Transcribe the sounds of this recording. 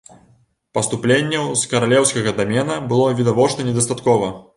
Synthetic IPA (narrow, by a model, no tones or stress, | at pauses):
pɐst̪uplʲenʲːɛwskɐɾalʲɛwskɐɣɐd̪amʲɛnɐbɨlˠɔvʲid̪avɔt͡ʂnɐnʲɛd̪ɐst̪at̪kɔvɐ